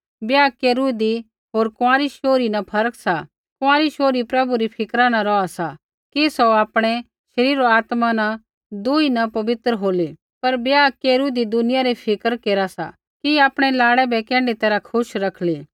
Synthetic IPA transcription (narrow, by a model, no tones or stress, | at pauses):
bjaːkeːɾud̪i | ɦoːɾkʊãːɾiʃoːɾinɐpʰɐɾkʰsa | kʊ̃ãːɾiʃoːɾipɾɐbuɾipʰɪkɾanaɾɔasa | kisɔaːpɽ̃ɛ | ʃɐɾiːɾoaːt̪mana | d̪uːinɐpɐʋɪt̪ɾɦoːli | pɐɾbjaːkeːɾud̪id̪ʊnɪjaɾipʰɪkəɾkeːɾasa̰ | kiaːpɽ̃ɛlaːɽɛbɛkɛ̃ːɳɖit̪ɛːɾakʰʊʃɾɐkʰli